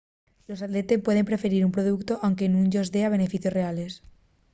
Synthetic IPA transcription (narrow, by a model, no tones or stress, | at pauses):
lo̞sat̪le̞t̪e̞pwe̞ð̞e̞mpɾe̞fe̞ɾiɾumpɾoðukt̪o̞ʔawŋke̞nũŋʎozðe̞aβ̞e̞ne̞fiθjo̞sre̞ale̞s